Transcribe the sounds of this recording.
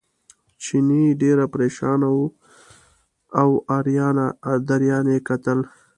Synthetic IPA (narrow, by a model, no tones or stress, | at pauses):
t͡ʃiniɖeɾapɾeʃɑnawu | awɑɾjɑnad̪aɾjɑnekat̪əl